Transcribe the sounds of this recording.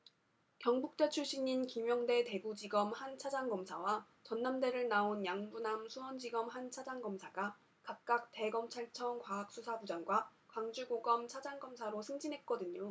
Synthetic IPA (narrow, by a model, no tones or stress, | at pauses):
kjʌŋbuk̚t͈e̞t͡ɕʰuɭɕ͈iɲinkimjʌŋde̞te̞bud͡ʑiɡʌmhant͡ɕʰad͡ʑaŋɡʌmsʰawa | t͡ɕʌnːamde̞ɾɯɭnaonjaŋbunamsʰuwʌnd͡ʑiɡʌmɦant͡ɕʰad͡ʑaŋɡʌmsʰaɡa | kap̚k͈ak̚t͈e̞ɡʌmt͡ɕʰaɭt͡ɕʰʌŋkwaɦak̚s͈ʰusʰabud͡ʑaŋɡwakwaŋd͡ʑuɡoɡʌmt͡ɕʰad͡ʑaŋɡʌmsʰaɾosʰɯŋd͡ʑinɦe̞t̚k͈ʌdɯɲo